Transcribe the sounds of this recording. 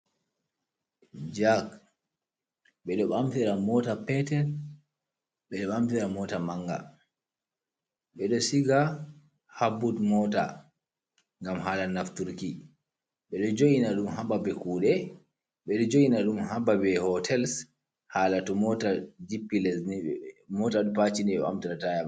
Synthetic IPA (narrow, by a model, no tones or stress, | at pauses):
d͡ʒak | ɓɛɗɔɓamtiɾamɔtapɛtɛl | ɓɛɗɔɓamtiɾamɔtamaŋɡa̰ | ɓɛɗɔsiɡa | habːutmɔta̰ | ŋɡamɦaːlanaftuɾki | ɓɛɗɔd͡ʒojinaɗumhababɛkuːɗɛ | ɓɛɗɔd͡ʒojinaɗumhababɛhɔtʰɛls | haːlatɔmɔtad͡ʒipːilɛsnimɔtaɗumpat͡ʃindiɓɛɓa̰mtiɾataja